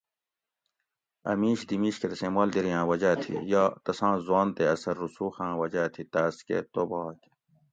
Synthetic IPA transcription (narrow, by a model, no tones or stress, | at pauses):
ɐ̰miːɕd̪imiːɕket̪ɐsẽːmoːld̪iɾjãːwɐd͡ʑaːt̪ʰḭjaːt̪ɐsãːzuwaːnt̪eɐsɐɾːusuːxãːwɐd͡ʑaːt̪ʰit̪aːskḛt̪oːbake